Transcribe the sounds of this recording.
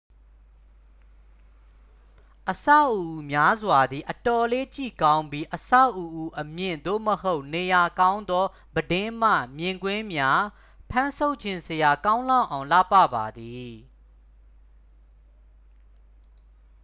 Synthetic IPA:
ʔəsa̰˦˨ʔu˨ʔʔu˨mja˦zwa˨d̪ði˨ʔətɔ˨le˦t͡ɕḭ˦˨kã˦ʊ̃mbji˦ʔəsa̰˦˨ʔu˨ʔu˦ʔəmjɪ̰̃˦˨nd̪o̰˦˨məho˦ʊʔne˨ja˨kã˦ʊ̃nd̪ɔ˦ | bədɪ̃˦m̥ä̰˦˨mjɪ̃˨ŋɡwɪ̃˦mja˦ | pʰã˦nsʰo˦ʊʔt͡ɕʰɪ̃˦˨nsəja˨kã˦ʊ̃lã˦˨ʊʔã˨ʊ̃la̰˦˨pä̰˦˨ba˨d̪i˨

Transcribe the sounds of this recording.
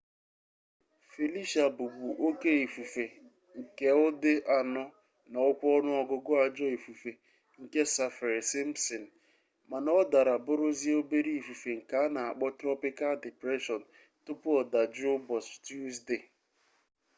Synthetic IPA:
fi˨li˦ʃa˨bu˨ɡ͡bu˨ʔo˦ke˦i˨fu˨fe˨ | ŋ̩˨ke˨ʊ˦dɪ˦ʔa˨nɔ˦ | nɔ˨ʊ˦kʷɔ˦nʊ˦ɔ˦ɡʊ˦ɡʊ˦a˨d͡ʒɔ˦i˨fu˨fe˨ | ŋ̩˨ke˦sa˦fɪ˨ɾe˨sɪ˦m̩˦sɔ˨n̩˨ | ma˨nɔ˦da˨ɾa˨bʊ˦ɾʊ˦zi˦o˦be˦ɾi˦i˨fu˨fe˨ŋ̩˨ka˨˦na˨a˨k͡pɔ˦tɾɔ˦pi˦ka˦ldi˨pɾe˦ʃɔ˨n̩˨ | tʊ˦pʊ˦ɔ˨da˨d͡ʒʊ˦bɔ˨stju˦sde˦˨

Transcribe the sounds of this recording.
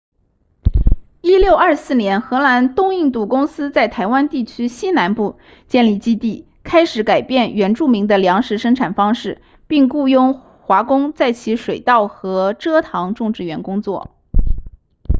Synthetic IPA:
i˥ljo˥˧ʊɐ˞˥˧sɹ̩˥˩njɛ˧˥nxɤ˧˥na˧˥nt̪ʊ˥ŋi˥˧ŋt̪u˥˩kʊ˥ŋsɹ̩˥t͡sa˥˩ɪt̪ʰa˧˥ɪwa˥nt̪i˥˩t͡ɕʰy˥ɕi˥na˧˥npu˥˧ | t͡ɕjɛ˥˧nli˥˩t͡ɕi˥t̪i˥˩ | kʰa˥ɪʂɻ̩˧˥ka˨˩ɪpjɛ˥˩nɥɛ˧˥nʈ͡ʂu˥˩mi˧˥ŋd̪ə˧ljɑ˧˥ŋʂɻ̩˧˥ʂɤ˥ŋʈ͡ʂʰa˨˩nfɑ˥ŋʂɻ̩˥˩ | pi˥˧ŋku˥˧jʊ˥˧ŋ | xwa˧˥kʊ˥ŋt͡sa˥˩ɪt͡ɕʰi˧˥ʂwe˨˩ɪt̪ɑ˥˩ʊxɤ˧˥ʈ͡ʂɤ˥t̪ʰɑ˧˥ŋʈ͡ʂʊ˥˧ŋʈ͡ʂɻ̩˥˩ɥɛ˧˥nkʊ˥ŋt͡swɔ̰˥˩

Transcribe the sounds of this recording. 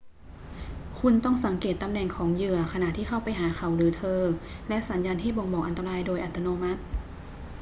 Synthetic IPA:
kʰu˧nt̪ɔ˥˩ŋsa˩˦ŋkeː˨˩t̪ːa˧mnɛː˨˩ŋkʰɔː˩˦ŋjɯ˧˩ɐkʰa˧na˨t̪ʰiː˥˩xʰa˥˩wpa˧jɦaː˩˦kʰa˨˩wlɯː˩˦t̪ʰɤː˧lɛ˦˥ʔsa˨˩˦njaː˧nha˥˩jbo˧ŋbɔː˨˩kʔa˧nt̪a˧ɾaː˧jdoː˧jʔa˨˩t̪ʰːa˧noː˧ma˦˥t̪̚

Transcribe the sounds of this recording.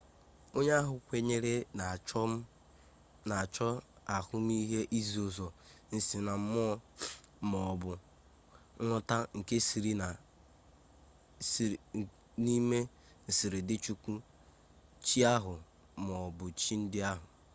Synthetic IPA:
o˦ɲ˦a˦ɦʊ˨kʷe˨ɲe˦ɾe˦na˨t͡ʃɔ˦m̩˦ | na˨t͡ʃɔ˦ | a˨kʊ˦m˦i˦ɦe˦ʔi˦zi˨o˨zɔ˨n̩˨si˨na˨m̩˦mɔ˦mɔ˨bʊ˨˦ | ŋʷɔ˦ta˦ŋ̩˨ke˦si˨ɾi˦na˨ | ni˦me˦ | n̩˨sɪ˨ɾɪ˨dɪ˦t͡ʃu˦kʷu˦ | t͡ʃi˦a˦ɦʊ˨ | mɔ˨bʊ˨t͡ʃi˦n̩˦dɪ˦a˦ɦʊ˨

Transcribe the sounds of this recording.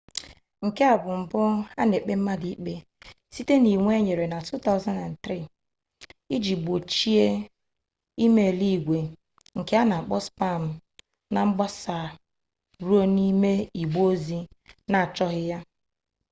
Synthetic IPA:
ŋ̩˨ke˦a˨bʊ˨m̩˨bʊ˦a˦ne˨k͡pe˦m̩˦ma˦di˨˦k͡pe˦ | si˦te˦ni˨ŋʷe˦ɲe˨ɾe˨na˨tʰu˦t̪a˦ʊ˦za˦na˨n˨t̪ɾi˦˨ | i˦d͡ʒi˨ɡ͡bo˨t͡ʃi˦e˦ | i˦me˨li˦˨ɡʷe˨ | ŋ̩˨ke˦a˦na˨k͡pɔ˦spa˦˨m̩˨ | na˨ŋ͡m̩˦ɡ͡ba˦sa˨ | ɾu˦o˦ni˦me˦i˨ɡ͡bo˦zi˦ | na˨t͡ʃɔ˦ɦɪ˦ja˦

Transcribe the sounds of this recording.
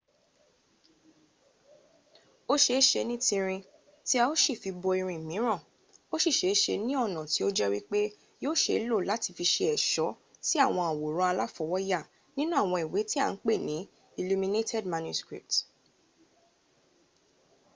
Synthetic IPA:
o˦ʃe˧˦ʃe˧nĩ˦tĩ˧ɾ̃ĩ˧ | ti˦a˧o˦ʃi˦˨fi˧bɔ˧i˧ɾ̃ĩ˧˨mĩ˨˦ɾ̃ɔ̃˦˨ | o˦ʃi˦˨ʃe˨˦ʃe˧nĩ˦ɔ˦˨nɔ̃˨ti˨˦o˦d͡ʒɛ˦wi˦k͡pe˦ | joː˦˨ʃe˧˦lo˦˨la˨˦ti˧fi˧ʃe˧ɛ˨ʃɔ˨˦ | ti˦a˦˨w̃ɔ̃˧a˨wo˨ɾɔ̃˨˦a˧la˦fɔ˧wɔ˦ja˦˨ | nĩ˦nũ˦a˦˨w̃ɔ̃˧i˨we˨˦ti˦a̰˦˨n̩˦k͡pe˦˨nĩ˨˦ | i˧lu˧mĩ˧ne˦tʰɛ˦˨dma˧nju˧skɾḭ˨p̚t

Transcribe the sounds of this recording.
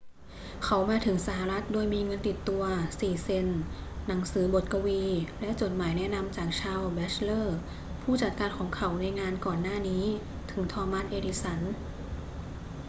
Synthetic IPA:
kʰa˨˦wmaː˧t̪ʰɯ˩˦ŋsa˧˩ha˧ɾa˦˥t̪̚doː˧jmiː˧ŋɤ˧nt̪i˨˩t̪ːu˧ɐsiː˨˩se˧nː | a˩˦ŋsɯː˩˦bo˨˩t̪̚ka˧wiː˧lɛ˦˥ʔt͡ɕo˨˩t̪̚maː˩˦jnɛ˦˥ʔna˧mt͡ɕaː˨˩k̚t͡ɕʰaː˧wbɛː˦˥t͡ɕʰlɤː˥˩ | pʰuː˥˩t͡ɕa˨˩t̪̚kaː˧nkʰɔː˩˦ŋkʰa˩˦˥wna˧jŋaː˧nkɔː˨˩nːaː˥˩niː˦˥ | t̪ʰɯ˨˩˦ŋt̪ʰɔː˧ma˦˥nʔeː˧di˧˥sa˩˦n

